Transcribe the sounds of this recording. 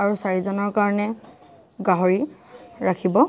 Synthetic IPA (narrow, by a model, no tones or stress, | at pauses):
aɹusaɹizɔnɔɹkaɹɔnɛ | ɡaɦɔɹiɹakʰibɔ